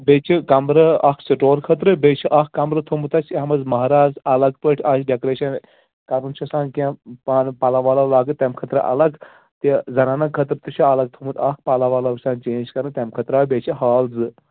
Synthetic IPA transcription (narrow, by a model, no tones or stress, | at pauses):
beːt͡ʃʰikɐmɾɐɐkʰsiʈoːlkʰɐt̪ɾɨbeːt͡ʃʰiʔɐkkːɐmɾɐt̪ʰumut̪ɐt͡ʃʰeɐmɐzmɐɦɾaːzɐlɐɡpəʈʰʲasʲɖekɾeːʃɐn | kɐɾunt͡ʃʰɐsãːnkãpaːnpɐlaʋaːlɐʋlaːɡɨt̪t̪ʲːɐmkʰɐt̪ɾɨ̰ʔɐ̰lɐɡ | t̪izɐnaːnɐkʰːɐt̪ɾɨt̪uʃʰiɐlɐɡ̚t̪ʰumut̪ɐk̚ʰpɐlaʋaːlɐʋisãːnt͡ʃeːnd͡ʒkɐɾɨt̪ʲɐmkʰɐt̪ɾaːbet͡ʃʰiɦaːlzɨ